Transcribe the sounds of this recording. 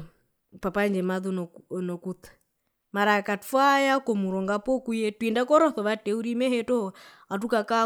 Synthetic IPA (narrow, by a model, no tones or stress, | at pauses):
papand͡ʒɛmaðunɔnɔkutḁ | maɾakafajakɔmuɾɔŋɡapɔkujɛtwindakɔɾɔθɔʋatɛuɾimɛhɛtɔ | atukaka